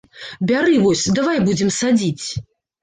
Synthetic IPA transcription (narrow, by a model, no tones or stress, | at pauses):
bʲaɾɨvɔsʲd̪avajbud͡zʲɛmsad͡zʲit͡sʲ